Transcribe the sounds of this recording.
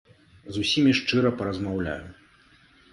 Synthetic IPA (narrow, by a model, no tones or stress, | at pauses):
zusʲimʲiʂt͡ʂɨɾɐpɐɾɐzmawlʲa̰ju